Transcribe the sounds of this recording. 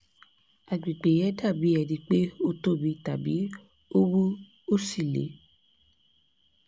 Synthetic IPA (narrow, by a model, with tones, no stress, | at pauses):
a˨ɡ͡bi˨k͡pe˨jɛ˨˦da˦˨bi˨˦ɛ˨dĩ˧˦k͡pe˦o˦to˦bi˧ta˨bḭ˨˦ | o˦wu˦ | o˦˨si˦˨lḛ˨˦